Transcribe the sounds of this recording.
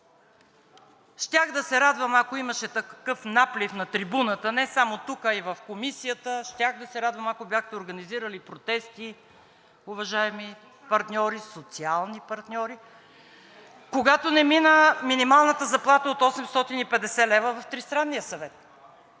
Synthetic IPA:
ʃt̪ʲaxd̪ɐsɛɾad̪vəmakoiməʃɛt̪ɐkɤfnaplifnɐt̪ɾibunət̪ənɛsamot̪ukəivəfkomisijət̪əʃt̪ʲaxd̪ɐsɛɾad̪vəmakobjaxt̪ɛoɾɡɐniziɾəlipɾot̪ɛst̪i | ʊvɐʒaɛmi | pɐɾt̪nʲɔɾisot̪sialˠnipɐɾt̪nʲɔɾi | koɡat̪onɛminəminimalˠnət̪əzɐplˠat̪əot̪ɔsɛmst̪ɔt̪inipɛd̪ɛsɛlɛvəvɐft̪ɾist̪ɾanːijəsɐvɛt̪

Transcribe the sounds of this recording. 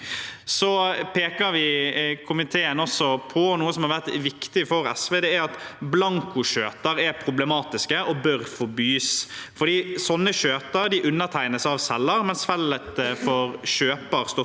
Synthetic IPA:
sɔpʰeːkəɾʋɪkʰʊmɪt̪ʰeːənɔsːɔpʰɔnuːəsɔmhɑɾʋæʁt̪ʋɪkt̪ɪfɔɾɛ̰sʋeːd̪ɛæɾɑt̪blɑŋkʊʃøːt̪əɾæɾpʰɾʊblɛmɑːt̪ɪskəʔɔbœɾfɔbyːsfɔɖ̪iːsɔnːəɕøːt̪əɾɖ̪ɪʔʉnːət̪ʰæɪnəsɑʋsɛlːəɾmɛnsfɛlət̪fɔɾɕøːpəɾst̪ɔ

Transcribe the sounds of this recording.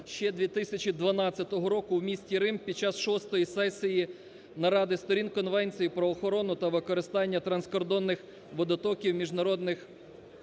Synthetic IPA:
ʃt͡ʃɛd̪ʲʋʲit̪ɪsʲɐt͡ʃid̪ʋɐnɑt͡sʲːɐt̪ɔɦɔɾɔkʊwmʲisʲtʲiɾɪmpʲid̪̚t͡ʃɑsʃɔst̪ɔjisɛsʲiji | nɐɾɑd̪ɪst̪ɔɾʲinkɔnʋɛnʲt͡sʲijipɾɔːxɔɾɔnʊt̪ɐʋɪkɔɾɪst̪ɑnʲːɐt̪ɾɐnskɔrd̪ɔnːɪx | ʋɔd̪ɐt̪ɔkʲiwmʲiʒnɐɾɔd̪nɪx

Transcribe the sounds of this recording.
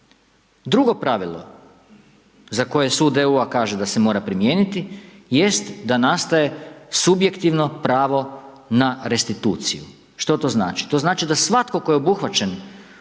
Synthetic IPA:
d̪ɾuɡo̞pɾaʋilˠo̞̰ | zako̞je̞suːd̪euakaːʒed̪ase̞mo̞ːɾapɾimje̞ːnit̪ije̞st̪d̪anast̪aje̞subje̞kt̪iʋno̞pɾaːʋo̞ | naɾe̞st̪it̪uːt̪sḭjṵ | ʃt̪o̞t̪o̞zna̰ːt͡ʃi̥t̪o̞znaːt͡ʃid̪asʋat̪ko̞ko̞jeo̞buxʋat͡ʃe̞n

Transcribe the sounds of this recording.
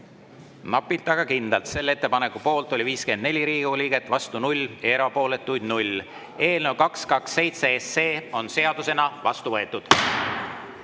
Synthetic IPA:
nɑpːˑit̪ːˑɑɡ̥ɑkind̪elt̪se̞lːe̞t̪ːe̞pɑne̞kːupo̞ːlt̪ˑo̞lʲiviːske̞nd̪ne̞lʲiɾiːɡoliɡe̞t̪ːˑvɑst̪unulʲːeɾɑpo̞ːle̞t̪ːˑujd̪nulʲ | e̞ːlne̞wkɑkskɑksːe̞jt̪se̞esːe̞ːo̞nse̞ɑd̪̥use̞nɑvɑst̪uvɤe̞t̪ːˑud̪̥

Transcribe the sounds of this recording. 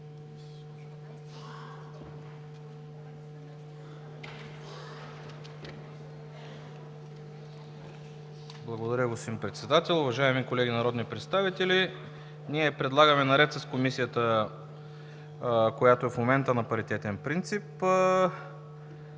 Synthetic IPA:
blˠɐɡod̪ɐɾʲəɡosimpɾɛt̪sɛd̪at̪ɛlˠʊvɐʒaɛmikolɛɡʲinɐɾɔd̪nipɾɛt̪st̪avit̪ɛli | niɛpɾɛd̪lˠaɡəmɛnɐɾɛt̪səskomisijət̪ə | kojat̪oɛfmomɛnt̪ənɐpɐɾit̪ɛt̪ɛnpɾint̪sip

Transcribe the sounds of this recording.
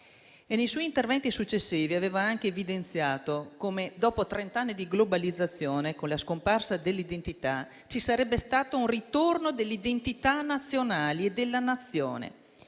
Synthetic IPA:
enejswɔjint̪ervɛnt̪isut͡ʃːesːiːviaveːvaaŋk̟eːvid̪ent̪sjaːt̪okomed̪ɔːpot̪ɾent̪anːid̪iɡlobalid̪zːat̪sːjoːnekonlaskomparsad̪elːid̪ent̪it̪a | t͡ʃisaɾɛbːest̪aːt̪ounrit̪ornod̪elːid̪ent̪it̪anat̪sːjonaːlied̪elːanat̪sːjoːnḛ

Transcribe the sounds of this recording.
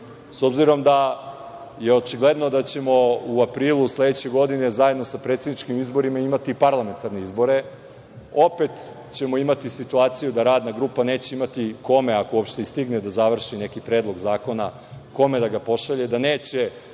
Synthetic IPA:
so̞bziɾo̞md̪a | je̞o̞t͡ʃiɡle̞d̪no̞d̪at͡ɕe̞mo̞uapɾiːlˠuslˠe̞d̪et͡ɕe̞ɡo̞d̪ine̞zajed̪no̞sapɾet̪sed̪nit͡ʃkimizbo̞ɾimaimat̪ipaɾlˠame̞nt̪aɾne̞izbo̞ɾe̞ | o̞pe̞t̪ | t͡ɕe̞mo̞imat̪isit̪uaːt̪sijud̪aɾaːd̪naɡɾuːpane̞ːt͡ɕe̞imat̪iko̞me̞akoopʃt̪eist̪iɡned̪azaʋr̩ʃine̞kipɾe̞ːd̪lˠo̞ɡzaːko̞na | ko̞me̞d̪aɡapo̞ʃaʎed̪aneːt͡ɕe

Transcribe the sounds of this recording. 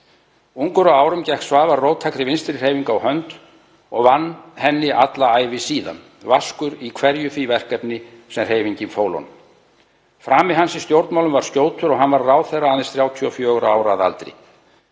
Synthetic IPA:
uŋkʏɾawaːwɾʏmcɛhksvaːðvaɾrowt̪ʰajkɾɪvɪnst̪ɾr̥heːjviŋkawhœnt̪ | ɔɣvanːhɛnːɪʔat̪laaːjvɪsiːða̰n | vaskʏɾikʰvɛɾjʏfivɛr̥kɛpnɪsɛmr̥eːjviɲcɪmfoːwlɔ̰n | fɾaːmɪðɦansist̪jowɾt̪mawlʏmvaɾ̥scjoːwt̪ʰʏɾɔɣɦanvaɾraːwθɛrːaaðɪnsθɾjaːwt̪ʰiɔfjœːœɣɾaaːwɾaːða̰lt̪ɾɪ̰

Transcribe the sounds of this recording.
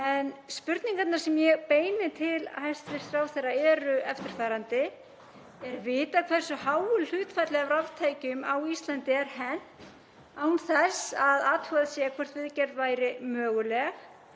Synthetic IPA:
ɛnspʏɾt̪niŋkat̪naɾ̥sɛmjɛɣpeːjnɪt̪ʰɪlahajst̪vɪst̪ɾawθɛraɛːɾʏɛft̪ɪɾ̥faːɾant̪ɪ | ɛɾvɪːt̪akʰv̥ɛr̥sʏhaːwʏllʏːt̪fat̪lɛɣavravt̪ʰaːjcʏmawist̪lant̪ɪɛɾ̥hɛn | aːwnθɛsaðaːt̪huɣaðsjɛɣakʰɔr̥t̪vɪðcɛɾðvaːjɾɪmœːɣʏlɛɣ

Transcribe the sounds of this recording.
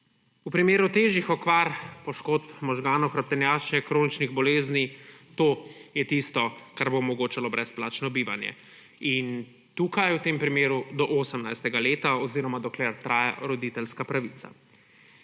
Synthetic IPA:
upɾimeːɾut̪eːʒixɔkʋaːɾpɔʃkoːt̪pmɔʒɡaːnɔwxɾap̚t̪ɛnjaːʃnɛkɾoːnit͡ʃniɣbɔleːznit̪oːjɛt̪ist̪ɔkaɾbomɔɡoːt͡ʃalɔbɾɛsplaːt͡ʃnɔbiːʋanjɛ̰ | in | t̪uːkajuwt̪empɾimeːɾud̪ɔʔoːsəmnajst̪ɛɡaleːt̪aɔziɾɔmad̪ɔklɛɾt̪ɾaːja̰ɾɔd̪it̪ɛlskapɾaʋitsa̰

